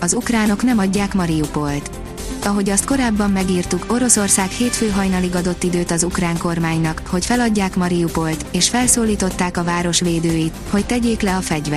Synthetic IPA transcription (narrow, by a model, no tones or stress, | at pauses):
ɒzukraːno̞kn̪ɛmɒɟːaːkmɒɾijupo̞lt̪ | ɒɦo̞ɟɒst̪ko̞ɾaːbːɒmːɛɡiːrt̪uko̞ɾo̞so̞rsaːkheːt̪føːɦɒjnɒliɡɒd̪o̞t̪ːid̪øːt̪ɒzukraːŋko̞rmaːɲnɒkho̞cfɛlɒɟːaːkmɒɾijupo̞lt̪eːʃfɛlsoːliːt̪o̞t̪ːaːkɒvaːɾo̞ʃʋeːd̪øːjit̪ho̞ct̪ɛɟeːklɛɒfɛɟvɛ